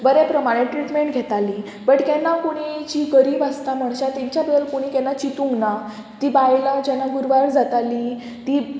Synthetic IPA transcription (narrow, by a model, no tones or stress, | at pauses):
bəɾɛpɾəmaɽ̃ẽʈɾiʈmeɳʈɡʱɛt̪ali | bəʈkɛnːakoɽ̃id͡ʑiɡəɾiːbəst̪am̤əɳɕat̪ɛ̃ɲt͡ɕjabəd̪əlkoɽ̃ikɛnːat͡ɕit̪ũŋɡna | t̪iːbajlad͡ʑɛnːaɡuɾʋaɾd͡zat̪ali | t̪i